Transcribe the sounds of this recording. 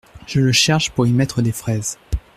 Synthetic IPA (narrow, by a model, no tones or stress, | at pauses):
ʒ̥ələʃɛʁʃpuʁimɛt̪χəd̪efχɛːz